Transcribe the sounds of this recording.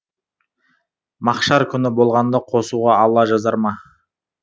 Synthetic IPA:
mɑqʃɑɾkʲʰʏnɪbo̞lˠʁɑnd̪ɑqʰo̞suʁɑːlˠɑʒɑzɑɾmɑ

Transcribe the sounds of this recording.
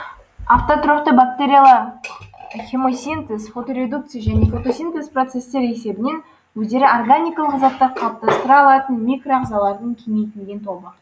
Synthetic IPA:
aft̪ot̪ɾopt̪əbak̚t̪e̞ɾʲijalˠɑɾ | χʲe̞mo̞sʲent̪esfo̞t̪o̞ɾʲe̞d̪uk̚t̪sɨjaʒæne̞fo̞t̪o̞sʲent̪e̞spro̞t̪se̞st̪e̞ɾese̞bɪne̞n | wɵzd̪e̞ɾɪo̞rɡanʲijkalˠəqzɑp̚t̪ːɑɾqʰɑlˠəp̚t̪ɑst̪əɾɑːlˠɑt̪ənmʲikro̞ɑqzɑlˠɑɾd̪əɴkʲʰeme̞jt̪ɪnɡʲent̪ʰo̞lˠbə

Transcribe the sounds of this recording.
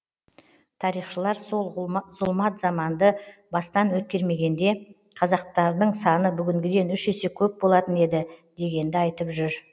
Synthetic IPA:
t̪ʰɑɾijχʃəlˠɑɾso̞lˠzʊlˠmɑt̪zɑmɑnd̪əbɑst̪ɑnwɵt̪̚kʲe̞ɾme̞ɡʲe̞nd̪e̞ | qʰɑzɑq̚t̪ɑɾd̪əɴsɑnəbʏɡʲɪŋɡʲɪd̪e̞nʏʃese̞kʲʰɵp̚bo̞lˠɑt̪əne̞d̪ɪd̪̥e̞ɡʲe̞nd̪ɪɑjt̪əpʒʏɾ

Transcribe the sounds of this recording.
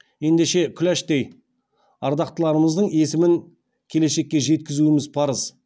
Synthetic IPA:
je̞nd̪eʃe̞kʲʰʏlæʃd̪ej | ɑɾd̪ɑqt̪əlˠɑɾəməzd̪əɴe̞sɪmɪŋ | kʲʰe̞le̞ʃe̞k̚ʲːe̞ʒe̞t̪̚kʲɪzuɪmɪzpʰɑɾəz̥

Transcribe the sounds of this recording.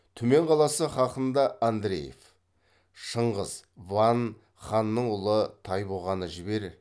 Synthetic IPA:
t̪ʰɵme̞ɴqʰɑlˠɑsəχɑqənd̪ɑʔand̪ɾḛje̞̰f | ʃəɴʁəzvɑn | χɑnːəɴʊlˠət̪ʰɑjbo̞ʁɑnəʒɪbe̞ɾ

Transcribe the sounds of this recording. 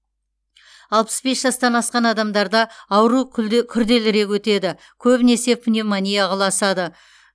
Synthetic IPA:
ɑlˠpə̥sbe̞sʒ̥ɑst̪ɑnɑsqɑnɑd̪ɑmd̪ɑɾd̪ɑɑwəɾukʲʰʏɾd̪e̞lɪɾe̞kʲwɵt̪e̞d̪ɪ | kʲʰɵbɪne̞se̞pɪnʲe̞mɑnʲijaʁɑlˠɑsɑd̪ə

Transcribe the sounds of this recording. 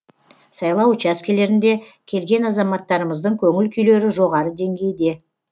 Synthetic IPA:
sɑjlˠɑwt͡ʃɑskʲʰele̞ɾɪnd̪e̞kʲʰe̞lɡʲe̞nɑzɑmɑt̪ːɑɾəməzd̪əɴkʲʰɵŋɪlkʲʰʏjle̞ɾɪʒo̞ʁɑɾəd̪e̞ŋɡʲe̞jɪd̪e̞

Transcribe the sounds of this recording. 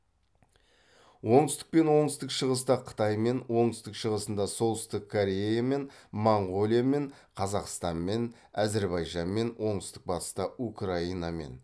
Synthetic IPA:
wo̞ɴt̪əst̪ɪ̥k̚pe̞nwo̞ɴt̪əst̪ɪkʃəʁəst̪ɑqʰə̥t̪ɑjme̞nwo̞ɴt̪əst̪ɪkʃəʁəsənd̪ɑso̞lˠt̪st̪əkʰːoɾʲe̞jame̞nmoɴʁo̞lʲˠijame̞ɴ | qʰɑzɑqst̪ɑnme̞n | æze̞ɾbɑjʒɑnme̞nwo̞ɴt̪əst̪ɪk̚bɑt̪ə̥st̪ɑukrɑijnɑme̞̰n

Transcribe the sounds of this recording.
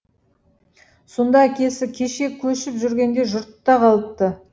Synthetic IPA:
so̞nd̪ɑækʲe̞sɪkʲʰe̞ʃe̞kʲʰɵʃɪpʒʏɾɡʲe̞nd̪e̞ʒʊɾt̪ːɑqʰɑlˠəp̚t̪ə

